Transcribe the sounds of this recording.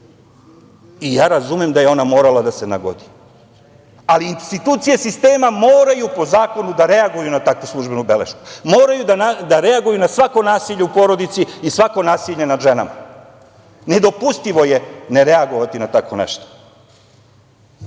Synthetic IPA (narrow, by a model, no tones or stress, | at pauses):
ijaːɾazumemd̪ajeo̞namo̞ːɾalˠad̪ase̞na̰ɡo̰d̪i | aliːnst̪it̪uːt̪sijesist̪e̞ːmamoːɾajupo̞zaːko̞nud̪aɾe̞aɡujunat̪akʋuslˠuʒbe̞nubelḛʃku̥mo̞ːɾajud̪anad̪aɾe̞aɡujunasʋako̞naːsiʎeupo̞ɾo̞d̪it̪siisʋako̞naːsiʎe̞nad̪ʒena̰ma | ne̞d̪o̞pust̪iʋo̞je̞ne̞ɾeaɡo̞ʋat̪inat̪akʋonḛʃt̪o̥